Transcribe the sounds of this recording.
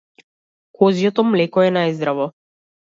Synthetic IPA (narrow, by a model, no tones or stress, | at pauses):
kɔzijɔt̪ɔmlɛkɔɛnajzd̪ɾavɔ